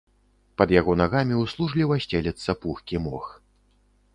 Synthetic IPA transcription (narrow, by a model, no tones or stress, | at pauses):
pɐd̪jaɣɔnaɣamʲiuslˠuʐlʲiwasʲt͡sʲɛlʲɛt̪sːɐpuxkʲimɔx